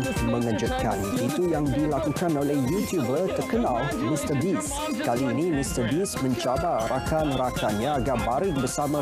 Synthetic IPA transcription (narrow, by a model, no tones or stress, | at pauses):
mə̃ŋəd͡ʒut̪̚kʰa̰nit̪ujaŋdilakukanolɛhjut̪jubərt̪ərkənalmistəbis | kaliːnĩmist̪əbismə̃ɲt͡ʃabarakanɾakanɲãaɡarbaɾɪk̚bəsamã